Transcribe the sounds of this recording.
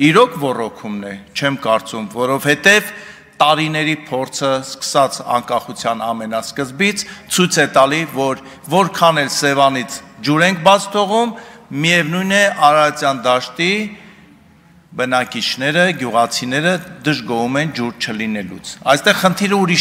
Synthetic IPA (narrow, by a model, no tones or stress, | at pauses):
iɾɔkʰvɔrɔkʰumnɛt͡ʃʰɛmkɑɾt͡sumvɔɾɔvhɛt̪ɛv | t̪ɑɾinɛɾipʰɔɾt͡sʰəskə̥sɑt͡sʰɑ̰ŋkɑχut͡sʰjɑnɑmɛnɑskəzbit͡sʰt͡sʰujt͡sʰɛt̪ɑlivɔɾ | vɔɾkʰɑnɛlsɛvɑnit͡sʰd͡ʒuɾɛŋkʰbɑt͡sʰt̪ʰɔʁumːiɛvnujnɛʔɑɾɑt͡sjɑnd̪ɑʃt̪i | bənɑkit͡ʃʰnɛɾəɡjuʁɑt͡sʰinɛɾəd̪əʒɡɔɦumɛnd͡ʒuɾt͡ʃʰəlinɛlṵt͡sʰɑjst̪ɛʁχənt̪ʰiɾəuɾiʃ